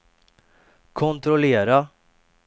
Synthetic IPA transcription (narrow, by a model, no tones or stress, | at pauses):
kʰɔnt̪ɾɔleːɾa